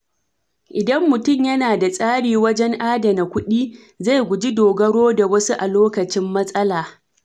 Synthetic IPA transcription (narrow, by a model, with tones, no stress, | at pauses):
ʔɪ˨dɐ˦mːʊ˨tʊ˦˨mjɐ˦naː˨da˨sʼaː˦ɽiː˨wɐ˦d͡ʒɛ˦ŋʔaː˦dɐ˨na˨kʷʊ˦ɗiː˦ | za˦˨jɡʷʊ˨d͡ʒi˦doː˨ɡɐ˦ɽoː˦da˨wɐ˦su˦ʔa˨loː˦kɐ˨t͡ʃɪ˦mːɐ˦sʼɐ˦laː˨